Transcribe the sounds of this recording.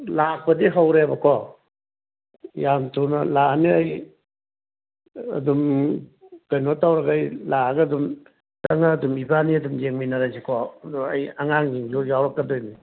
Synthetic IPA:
lak̚pɐdiɦawɾebakʰɔ | jamtʰuna̰laaniaj | ɐ̰dum | kajnɔtawɾaɡajlaɡadum | taŋaːdumibaniadumd͡ʒeŋminaɾajsikʰɔdua̰jaŋaŋɡiŋɡujawɾak̚ɡadojni

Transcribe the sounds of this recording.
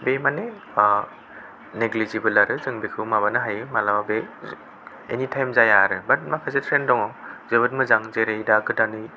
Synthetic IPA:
bemane | a | neɡlizibɯlːaɾɯzɯŋbekʰɯwmabanɯɦajɯmalawabe | ḛnitʰajmzajaɾɯbɐt̚makʰazetʰɾendɔŋɔzebɯt̚mɯzaŋzeɾedakɯdanɯj

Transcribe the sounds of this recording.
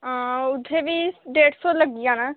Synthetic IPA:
ʊt̪ʰːeːbiːɖeːʈsoːləɡɪjãːnaː

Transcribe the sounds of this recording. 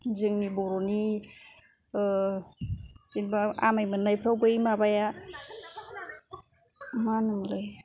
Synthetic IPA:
zɯŋnibɔɾɔni | zinbaa̰majmɯnajpʰɾawbajmabaja | manɯmlɯj

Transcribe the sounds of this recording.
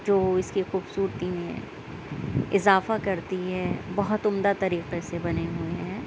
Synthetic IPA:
d͡ʒoːɪskixuːbsuːɾt̪imẽ | ɪzaːfakɐɾt̪iɦɛbɐɦʊt̪ʊmd̪at̪ɐɾiːqesebɐneɦʊeɦɛ̃ː

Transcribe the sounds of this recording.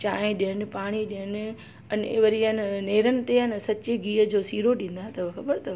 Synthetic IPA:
t͡ɕaːẽɗiənɪ̆paːɽ̃iɗiənɪ̆ | ɐnʋɐɾiənneːɾənɪ̆t̪eənsɐt͡ɕeɡiːəd͡ʑoːsiːɾoɗĩːn̆d̪aɦet̪ɐʋxɐbəɾt̪ɐʋ

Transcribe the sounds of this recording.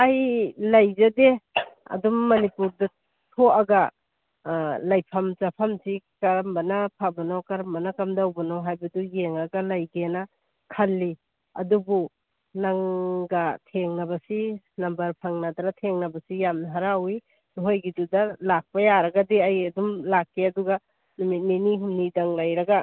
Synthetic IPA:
ajlajzadea̰dumːɐnipuɾda | tʰoaɡa | lajpʰamzapʰamzikaɾmbanapʰabanɔkaɾambanakamdawbanɔɦajbadujeŋaɡalajɡena | kʰalːi | a̰dubu | naŋɡatʰeŋnabasi | nambɐɾpʰaŋnadaɾatʰeŋnabasijamnaɦaɾawi | nuɦojɡidudalak̚pajaɾaɡadiajadumlakːeaduɡa | numit̚miniɦumnidaŋlajɾaɡa

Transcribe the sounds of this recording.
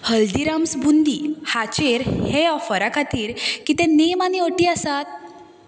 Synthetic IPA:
həld̪iɾamsbund̪iːhat͡ɕeɾheɔfəɾakʰat̪iːɾkit̪ɛ̃nemaniəʈiːasat̪̚

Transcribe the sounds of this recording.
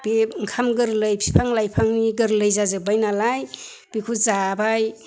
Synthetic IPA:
b̥eŋkʰamɡɯɾlɯjpʰi̥pʰaŋlajpʰaŋniɡɯɾlɯjzazɯbajnalaj | b̥ekʰuzabaj

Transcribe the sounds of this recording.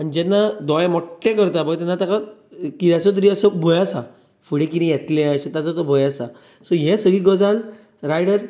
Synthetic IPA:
anid͡ʑɛnːad̪ɔjmɔʈːẽkəɾt̪abaɡt̪ɛnːat̪akakiɾat͡sɔt̪̬əɾiəsəbʱojasa | fuɽẽkiɾĩjɛt̪lẽaset̪at͡sɔt̪ɔbʱojasa | sɔɦɛ̃səɡiɡɔd͡zal | ɾajɽəɾ

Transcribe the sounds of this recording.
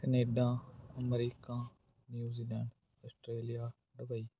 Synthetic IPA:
kɐneːɖãːɐmɾiːkãː | njuːziːlɛːɳɖ | ɔːsʈɾeːlijaː | ɖɐbəiː

